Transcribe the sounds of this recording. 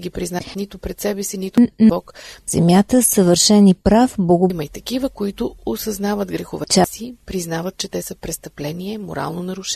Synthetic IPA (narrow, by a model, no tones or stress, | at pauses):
ɡʲipɾiznat̪nit̪ʊpɾɛt̪sɛbɛsinit̪ʊɔkz̥ɛmjat̪əsəvəɾʃɛnipɾafblˠɐɡʊmɐit̪ɐkivəkoit̪ʊosɐznavət̪ɡɾɛxovɛt͡ʃasipɾiznavət̪̚t͡ʃɛt̪ɛsəpɾɛst̪ɐplɛniɛmo̰ɾa̰lˠnonɐɾʊʃ